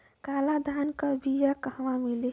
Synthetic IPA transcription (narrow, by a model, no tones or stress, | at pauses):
kaːlad̪ʱankəbijakəʋamile